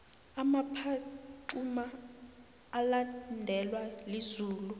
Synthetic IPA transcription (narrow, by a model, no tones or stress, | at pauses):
amapʰaǃumaː | landʱɛlwalizuːlu